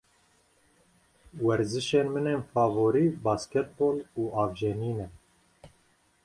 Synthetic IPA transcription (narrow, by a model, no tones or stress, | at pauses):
wɛɾzɨʃeːnmɨneːnfɑːvoːɾiːbɑːskɛt̪̚boːluːɑːvd͡ʒeniːnɛ